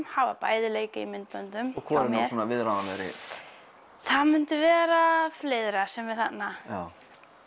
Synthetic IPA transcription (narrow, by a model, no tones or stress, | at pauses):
mhavapaːjðɪleːjkaimɪnt̪pœnt̪ʏmɔkʰvɔːɛɾnasɔːnavɪðɾaðanvɛɾɪ̰ | θaðmʏn̥t̪ɪvɛːɾafleːðɾasɛmvɪðθanːajaːw